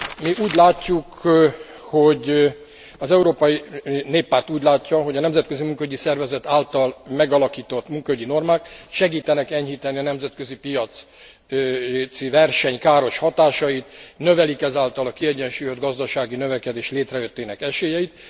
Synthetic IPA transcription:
miʔuːɟlaːcːuk | ho̞ɟ | ɒzɛuɾoːpɒjineːpːaːrt̪uːɟlaːcːɒɦo̞ɟɒnɛmzɛt̪̚køzimuŋkɒyɟisɛrvɛzɛt̪aːlt̪ɒlmɛɡɒlɒkiːt̪o̞t̪ːmuŋkɒyɟino̞rmaːk̚t̪ʃɛɡiːt̪ɛnɛkɛɲɦiːt̪ɛniɒnɛmzɛt̪kø̞zipijɒt̪s | t̪sivɛrʃɛɲkaːɾo̞ʃhɒt̪aːʃɒjit̪nøvɛlikɛzaːlt̪ɒlɒkiɛɟɛnʃuːjød̪ɡɒzd̪ɒʃaːɡinøvɛkɛd̪eːʃleːt̪rɛjøt̪ːeːnɛkɛʃeːjɛjit̪

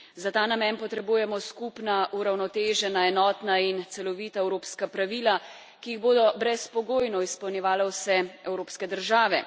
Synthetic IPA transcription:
zat̪aːnamɛnpɔt̪ɾɛbuːjɛmɔskupnaʔuɾawnɔt̪eːʒɛnaɛnɔːt̪naint̪sɛlɔʋiːt̪aɛwɾoːpskapɾaʋiːla | kijiɣboːd̪ɔbɾɛspɔɡoːjnɔispɐwnʲjɛʋaːlɛwsɛɛwɾoːpskɛd̪əɾʒaːʋɛ̰

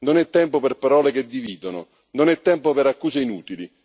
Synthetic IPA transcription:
nʊnɛt̪ːɛmpʊpɪrpaɾɔːleked̪ːiviːd̪ʊnʊ̰ | nʊnɛt̪ːɛmpopɪɾakːuːseinuːt̪ili

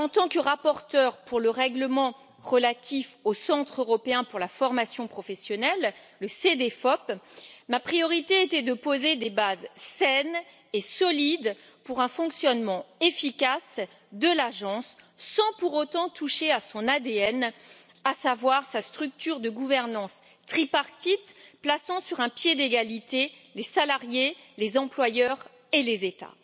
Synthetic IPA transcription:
ɑ̃t̪ɑ̃kəʁapɔʁt̪œʁpuʁləʁɛɡləmɑ̃ | ʁəlat̪ifosɑ̃t̪χøʁɔpeɛ̃puʁlafɔʁmasjɔ̃pχɔfɛsjɔnɛlː | əsed̪efɔpmapχijɔʁit̪eet̪ɛd̪əpozed̪ebazsɛn | esɔlid̪ | puʁɛ̃fɔ̃ksjɔnmɑ̃efikʲas | d̪əlaʒɑ̃sː | ɑ̃puʁot̪ɑ̃t̪uʃeasɔ̃nad̪eɛn | asavwaʁsast̪χyk̚t̪yʁd̪əɡuvɛʁnɑ̃s | t̪χipaʁt̪it̪plasɑ̃syʁɛ̃pjed̪eɡalit̪e | lesalaʁjelezɑ̃plwajœʁ | elezet̪a̰

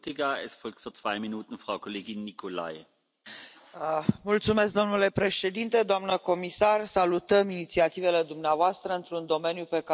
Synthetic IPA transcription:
tiɡaesfɔlk̚t̪fyːɐt͡sv̥aɪminuːtn̩fʁaʊkʰoleːɡinːikʰola̰ɪ | mult̪sume̞s̬k̚d̪o̞mnule̞pɾe̞ʃe̞d̪int̪e̞d̪oamnəko̞misarsalut̪əminit̪siat̪ive̞le̞d̪umneavoast̪ɾəɨnt̪ɾund̪o̞me̞njupe̞ka

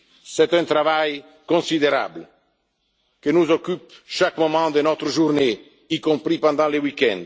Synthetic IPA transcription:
sɛt̪ɛ̃nt̪ɾavaj | kõsid̪eɾa̰bl | kənuzokypʃakmomɑ̃d̪ənɔt̪ɾəʒurne | ikõmpɾipɑ̃nd̪ɑ̃lewikɛ̰̃nd̪

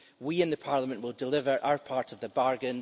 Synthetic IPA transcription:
wiɪ̃nðəpʰaɹlˠəmə̃nʔwɪlˠdɪlˠɪvə˞ʔa̰ʊə˞pʰaɹʔəvðəbaɹɡə̃n

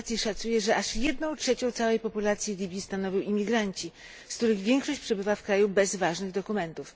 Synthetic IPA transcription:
t̪sʲjiʂat̪sujɛʐɛʔaʂjɛd̪nɔ̃w̃tʂɛt͡ɕɔ̃t̪sawɛjpɔpulat̪sʲjilʲibʲjist̪anɔvʲiwimʲiɡɾaɲt͡ɕi | skt̪uɾɘɣvʲjɛŋkʂɔɕt͡ɕpʂɛbɘvafkɾajubɛzvaʐnɘɣd̪ɔkumɛnt̪uf

